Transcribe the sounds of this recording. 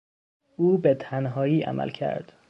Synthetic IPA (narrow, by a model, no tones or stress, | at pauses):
ʔuːbe̞t̪ʰænɦɒːjiːʔæ̰mʔæ̰lcʰæ̰ɾd̪̥